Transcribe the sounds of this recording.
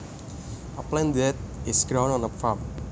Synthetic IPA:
aplɛ̃ndɛt̪̚ɪsɡɾãw̃nɔ̃nəfam

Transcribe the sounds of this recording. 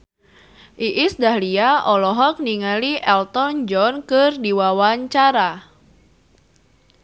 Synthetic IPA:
ʔiʔɪsdahliaɔlɔɦɔk̚niŋaliʔɛlt̪ɔnd͡ʒɔnkɨrdiwawaɲt͡ʃaɾa

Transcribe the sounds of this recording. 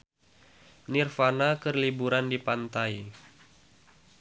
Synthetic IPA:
nirfanakərlibuɾandipant̪aj

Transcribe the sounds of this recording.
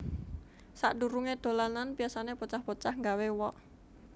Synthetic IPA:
saʔɖuɾuŋed̪̥o̤lananpiasanepɔt͡ʃahpɔt͡ʃahŋɡawewɔʔ

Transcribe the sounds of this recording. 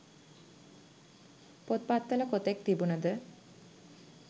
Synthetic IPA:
pot̪̚pat̪ːələkot̪ɛk̚t̪ibunəd̪ə

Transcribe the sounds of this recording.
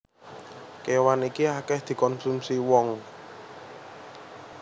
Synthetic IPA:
kewanikiakɛhd̪̥i̤kɔnsumsiwɔŋ

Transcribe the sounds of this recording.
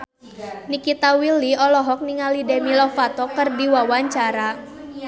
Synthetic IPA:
nikit̪awiliɔlɔɦɔk̚niŋalidɛmilɔfat̪ɔkərdiwawaɲt͡ʃaɾa

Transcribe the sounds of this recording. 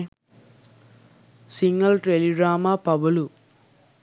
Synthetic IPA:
siŋɡɐlʈɾeliɖɾaːmaːpɐʋɐlu

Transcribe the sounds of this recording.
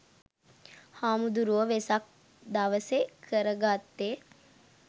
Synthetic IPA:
haːmud̪uɾuʋəʋesak̚ | d̪aʋəsekʰəɾəɡat̪ːe

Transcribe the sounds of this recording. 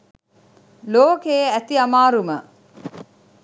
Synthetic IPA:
loːkeæt̪iamaːɾumə

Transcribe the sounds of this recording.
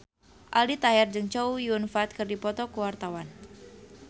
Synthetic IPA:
ʔalit̪aɦɛrd͡ʒɨŋt͡ʃɔujunfat̪̚kɨrdipɔt̪ɔkəwart̪awan

